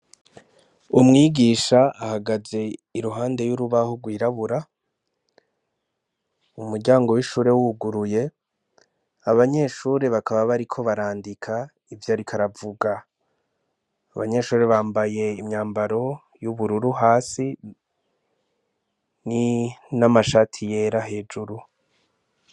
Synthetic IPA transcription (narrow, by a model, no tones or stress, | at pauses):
umŋiːɡiːʃaːhaɡaze̞iɾuɦaːnde̞juɾuβahoɡwiːɾaβuɾa | umuɾɟaːŋɡo̞wiʃuːɾe̞wuɡuɾuje̞ | aβaɲe̞ʃuːɾe̞βakaβaβaɾikʰo̞βaɾaːndikʰa | ivjaɾikʰaɾavuɡa | βaɲe̞ʃuːɾe̞βaːmbaje̞imɲaːmbaɾo̞ | juβuɾuɾuɦaːsi | ninamaʃatʰije̞ːɾaɦe̞ːd͡ʒuɾu